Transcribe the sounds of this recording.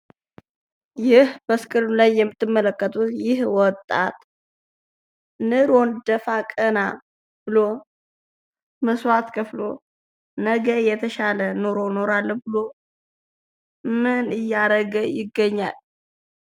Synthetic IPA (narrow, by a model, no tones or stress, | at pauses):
jɪhbəskʼɨɾulajːɛmːɨt̪ʰːɨmːələkːət̪ʼut̪jɪhwɔt̪ʼːa̰t̪ʼ | nɨɾo̞nd̪əfakʼəna | b̥ɨlo | məswat̪kʰəflo | nəɡəjɛt̪ʰəʃalənoɾono̞ɾalːbɨlo̞ | mɨnɨjːaɾəɡəjɪɡːəɲːa̰l